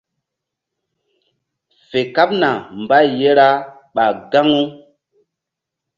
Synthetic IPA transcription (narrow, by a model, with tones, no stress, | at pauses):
fe˨ka˦p̚na˨m˨ba˦je˦ɾa˦ | ɓa˨ɡa˦ŋu˦